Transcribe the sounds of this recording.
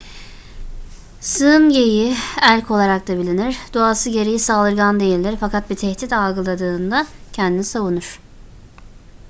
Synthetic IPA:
sɯnɟe̞jiælʲcʰo̞lˠaɾak̚t̪abilʲiniɾd̪uasɯɟe̞ɾijisaːlˠɯɾɡand̪e̞jilʲd̪ʲiɾfakʰat̪̚bit̪ʰɛçt̪it̪alˠɡɯlˠad̪ɯːnd̪acʰɛnd̪inisavunuɾ̥

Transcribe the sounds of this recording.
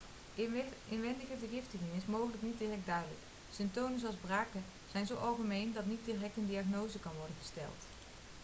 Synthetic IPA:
ɪnʋɛndəɣədəɣɪftəŋɪŋɪsmowχələknit̚dirɛk̚dœɥdələ̰k | sɪmtownəszoɑlˠzbraːkə | z̥ɛjnzowʔɑlˠχəmejndɑtnit̚dirɛk̚təndiaχnowzəkɑnʋɔɹdənχəstɛ̰lˠt

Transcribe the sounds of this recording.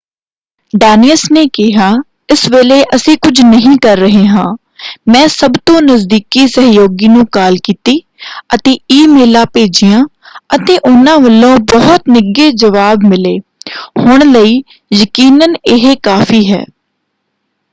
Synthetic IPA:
ɖaːniəsneːkɪɦaː | ɪsʋeːleːʔəsĩːkʊd͡ʒʱnəɦĩːkəɾːəɦeːɦãː | mɛ̃ːsəbt̪õːnəzd̪iːkiːsəɦjoːɡiːnũːkaːlkiːt̪iː | ət̪eːiːmeːlãːpeːd͡ʒijãː | ət̪eːʔʊnãːʋəlõːbəɦʊt̪nɪɡeːd͡ʒəʋaːbmɪleːhʊɳləiː | jəkiːnənɪɦekaːfʰiːɦɛ̰ː

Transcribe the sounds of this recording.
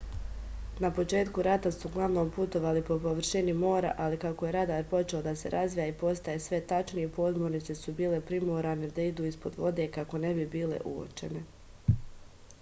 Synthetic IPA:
napo̞t͡ʃe̞ːt̪kuɾat̪asuɡlˠaʋno̞ːmput̪o̞ʋaːlipo̞po̞ʋr̩ʃinimo̞ːɾa̰ʔalikako̞je̞ɾad̪aːɾpo̞t͡ʃeod̪ase̞̰ɾʔazʋijaipo̞st̪ajesʋe̞t̪at͡ʃnijepo̞zmoɾnit̪se̞subiːle̞pɾimoːɾane̞d̪aid̪uːispo̞d̪ʋo̞d̪e̞kako̞ne̞bibiːlḛʔṵo̰t͡ʃe̞̰ne̞

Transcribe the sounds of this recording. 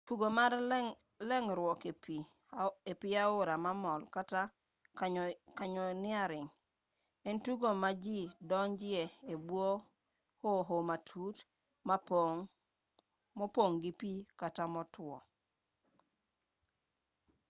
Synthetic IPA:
tuɡomaɾ | lɛŋɾwɔkepi | epiaʊɾamamɔlkata | kaɲɔnɪaɾɪŋ | entuɡomad͡ʒidɔnd͡ʒieebwo | hoɦomatʰut | ma | mopoŋɡipikatamɔtʊɔ̰

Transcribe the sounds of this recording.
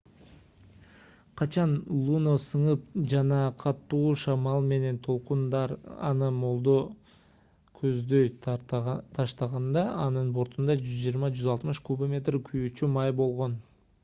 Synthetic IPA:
qʰɑt͡ʃɑnlˠunosɯɴɯp̚d͡ʒɑnɑqʰɑt̪ːuːʃɑmɑlˠme̞ne̞nt̪ʰo̞lˠqund̪ɑɾɑ̰nɯmo̞lˠd̪o | kʰøzd̪ø̞j | t̪ʰɑʃt̪ɑʁɑnd̪ɑɑnɯnbo̞ɾt̪und̪ɑd͡ʒyzd͡ʒijəɾmɑd͡ʒyzɑlˠt̪mɯʃkubəmʲe̞t̪rkʰyjyːt͡ʃymɑjbo̞lˠʁo̞n

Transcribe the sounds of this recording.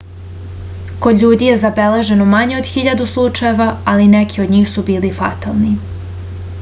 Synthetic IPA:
ko̞d̪ʎuːd̪ije̞zabe̞le̞ʒe̞nomaɲeo̞d̪xiʎad̪uslˠut͡ʃajeʋaalinekʰiod̪ɲiːxsubiːlifat̪alˠni

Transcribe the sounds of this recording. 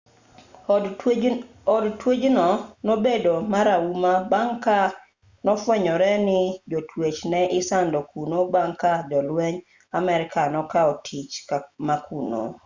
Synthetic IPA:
ɔdtwed͡ʒnɔnobedomaɾaumabaŋka | nɔfwɛɲɔɾɛnɪd͡ʒotʰwet͡ʃnɛʔɪsandɔkunobaŋkad͡ʒɔlweɲ | amɛɾɪkanɔkaɔtʰit͡ʃmakʰuno̰

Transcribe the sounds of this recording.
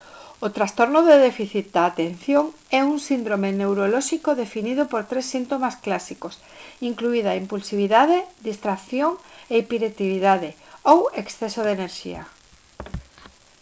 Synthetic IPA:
ot̪ɾast̪oɾnʊðeðefiθit̪̚d̪aːt̪en̟θjoŋɛuŋsind̪ɾomenewɾolɔʃikoðefiniðʊpoɾt̪ɾesːint̪omasklasikos | iŋkluiðaimpulsiβ̞iðaðeðist̪ɾakθjoŋeipiɾet̪iβiðaðeoweksθɛsoð̞eneɾʃḭɐ̰

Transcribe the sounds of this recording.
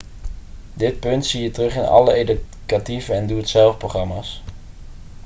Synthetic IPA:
dɪt̚pɵntsiːətərɵχɪnɑ̰ləejd | kativəɛnduətsɛlˠfproχrɑmaːs

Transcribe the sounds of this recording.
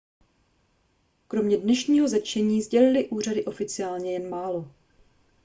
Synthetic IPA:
kɾo̞mɲɛdnɛʃɲiːɦo̞zɛt͡ʃɛɲiːzɟɛlɪlɪʔuːr̝adɪʔo̞fɪt͡sɪaːlɲɛjɛnmaːlo̞

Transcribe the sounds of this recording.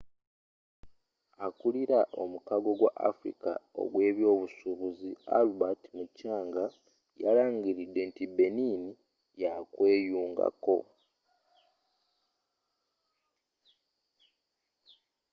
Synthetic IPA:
akuliɾaʔo̞̰mukaɡo̞ɡwaʔafɾḭka̰o̰ɡwe̞ːβjo̞ːβusuβuzia̰lubatimucaːŋɡa | jalaːŋɡiɾidːe̞ntibe̞nini | jakwe̞ːjuːŋɡa̰ko̞

